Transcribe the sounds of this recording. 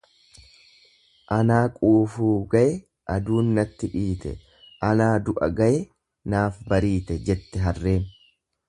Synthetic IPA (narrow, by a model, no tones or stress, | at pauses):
ʔɐnaːkʼuːfuːɡɐʔɛ | ʔɐd̪uːnːɐt̪ːɪᶑiːt̪ɛ̰ | ʔɐnaːd̪ʊʔɐ̰ɡɐʔɛ | naːfbɐɾiːt̪ɛd͡ʒɛt̪ːɛɦɐrːe̞ːn